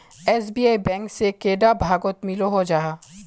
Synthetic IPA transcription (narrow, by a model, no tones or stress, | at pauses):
ɛːsbiːaːibɛ̃ːŋksekeːɖabʱaːɡot̪mɪloɦod͡ʒaːa